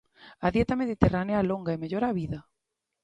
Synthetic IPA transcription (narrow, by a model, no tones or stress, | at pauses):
aðjet̪ameðit̪eranealoŋɡaemeʎoɾaβiða